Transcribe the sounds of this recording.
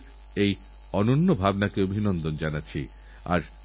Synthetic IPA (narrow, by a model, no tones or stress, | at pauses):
ej | ɔnonːobʱabnakeobʱinond̪ond͡ʑanatːt͡ɕʰḭ | a̰ɾ